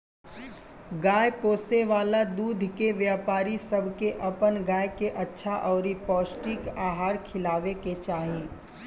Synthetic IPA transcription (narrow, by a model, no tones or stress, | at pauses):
ɡaːjpoːseʋaːlad̪uːd̪ʱkeʋjaːpaːɾisɐbʱkeʔɐpənɡaːjkeʔɐtːʃʰaʔɔːɾipɔːsʈɪkaːɦaːɾkʰɪlaːʋeket͡ʃaːɦẽː